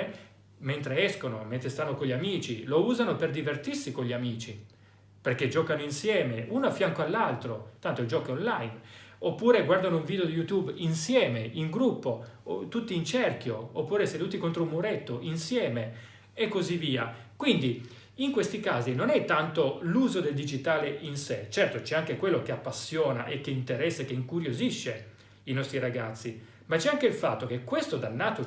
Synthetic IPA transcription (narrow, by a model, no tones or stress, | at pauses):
ment̪ɾeɛskonoment̪ɾest̪anːokoʎːiamiːt͡ʃilouːzanoperd̪ivert̪irsikoʎːiamiːt͡ʃi | perked͡ʒɔːkanoinsjɛːmeuːnoafjaŋkoalːalt̪ɾot̪ant̪od͡ʒɔːkionlajnopːuːɾeɡward̪anouɱviːd̪eod̪ijut̪juːbinsjɛːmeʔiŋɡɾupːot̪ut̪ːiːnt͡ʃerkjoopːuːɾesed̪uːt̪ikont̪ɾoumuɾet̪ːoʔinsjɛːme | ekːozivːiːakwind̪i | iŋkwest̪ikaːzinonɛt̪ːant̪oluːzod̪eld̪id͡ʒit̪aːleʔinset͡ʃɛrt̪ot͡ʃɛaŋkekwelːokeapːasːjɔːna̰ʔekːeint̪eɾɛsːekːeiŋkuɾjoziʃːe | inɔst̪ɾiɾaɡat̪sːi | mat͡ʃɛaŋkeilfa̰t̪ːok̟ekːwest̪od̪anːaːt̪o